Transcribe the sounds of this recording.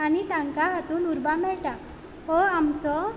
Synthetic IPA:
anit̪ãŋkaɦat̪uːnuɾbamɛɭʈa | hoamsɔ

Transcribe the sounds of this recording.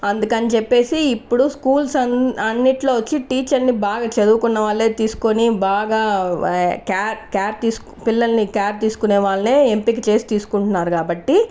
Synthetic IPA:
ɐnd̪ukɐnit͡ʃepːe̞ːsiːpːuɽuskuːlsɐɐnːiʈlo̞ːʋɐt͡ʃːiʈiːt͡ʃɐɾnibaːɡaːt͡ʃɐd̪uːukunːɐʋaːɭːeːt̪iːsu̥ko̞nibaːɡaː | kaːɾkaːɾt̪iːsu̥ | pilːɐlnikaːɾt̪iːsu̥kuneːʋaːɭːɐneːempik̬it͡ʃe̞ːsi̥t̪iːsu̥kuɳʈunːaːɾukaːbɐʈːi

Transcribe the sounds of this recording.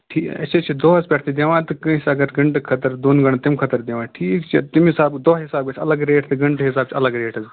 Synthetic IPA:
ʈʰiːkɐ̰t͡ʃʰet͡ʃʰid̪oːɦɐzpʲɛːʈʰt̪id̪eːʋãːt̪ɨkɐ̃sɐɡɐɾɡɐɳʈkʰɐt̪ɐɾd̪oːnɡɐɳ̃t̪ɪmkʰɐt̪ɐɾd̪eːʋãːʈʰiːkt͡ʃʰit̪ɪmɪsaːbd̪oːɦɪsaːb̚kɐt͡ʃʰɐlɐɡɾeːʈʰt̪ɨɡɐɳʈɦɪsaːb̚t͡ʃʰiɐlɐɡɾeːʈʰɐz

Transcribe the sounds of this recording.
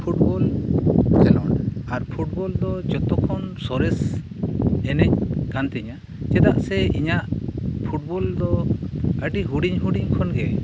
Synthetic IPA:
pʰuʈ̚bɔl | kɛlɔnaɾpʰuʈ̚bɔld̪ɔd͡ʒɔt̪ɔkʰɔnsɔɾɛs | ɛnɛɲɡant̪ɛɲa | d͡ʒɛd̪aʔsɛiɲaʔpʰuʈ̚bɔld̪ɔəʈiɦuɖiɲɦuɖiɲkʰɔnɡɛ

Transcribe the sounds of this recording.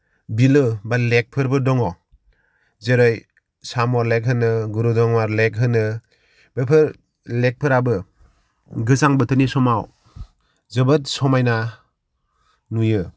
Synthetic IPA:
bilɯbalek̚pʰɯɾbɯdɔŋɔ | zeɾɔj | samɔɾlek̚ɦɯnɯɡuɾudɔŋmaɾlek̚ɦɯnɯ | b̥epʰɯɾ | lek̚pʰɯɾabɯ | ɡɯsaŋbɯtʰɯnisɔmaw | zɯbɯt̚sɔmajna | nujɯ

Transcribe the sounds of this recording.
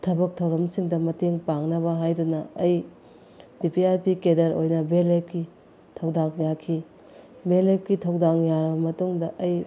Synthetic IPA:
tʰɐbɐk̚tʰɐwɾɐmsiŋdɐmɐteŋpaŋnɐβɐɦajdunɐːj | pipiaɾpikedɐɾojnɐbelep̚ki | tʰɐwdaŋjakʰi | belep̚kitʰɐwdaŋjaɾɐbɐmɐtuŋdɐʔɐj

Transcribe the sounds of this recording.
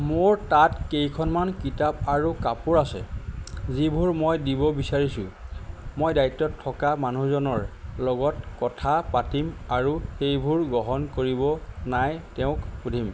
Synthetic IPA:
moɹtatkejkʰɔnmankitapaɹukapʊɹasɛ̰zibʱuɹmɔjdibɔbisaɹisʊ̰̃mɔjdajtːɔtʰːɔkamanuzɔnɔɹlɔɡɔtkɔtʰapatimaɹuxejbʱuɹɡɔɦɔnkoɹibɔnajtɛʊ̃kudʱim

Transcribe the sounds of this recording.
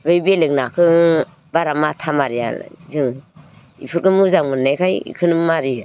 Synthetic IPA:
bɯjbelɯk̚nakʰɯ | baɾamatʰamaɾija̰zɯŋ | ḭpʰɯɾkɯmuzaŋmɯnːajkʰajḭkʰɯnɯmaɾi

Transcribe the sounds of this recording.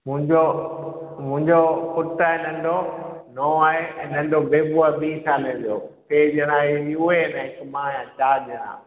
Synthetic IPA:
mʊ̃ɦɪ̃ɲd͡ʑo | mʊ̃ɦɪ̃ɲd͡ʑoʊʈaːɦenɐ̃nɖonɔ̃ːaːɦẽnɐ̃ɳɖobeːbuaːbiːsʰaːlẽdijo̰ːt̪eːʄəɽ̃ãiʊɦenɛ̃ɦɪkmãːjãt͡ɕaːʄəɽ̃ã̰ː

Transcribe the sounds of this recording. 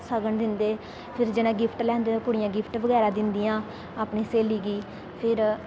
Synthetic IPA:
səɡəɳd̪ɪnd̪eː | pʰɪɾd͡ʒɪnãːɡɪpʰʈlɛ̃ːnd̪eːt̪ãːkʊɽɪjãːɡɪpʰʈʋəɡɛːɾaːd̪ɪnd̪ijãː | aːpneːseːliːɡiː | pʰɪɾ

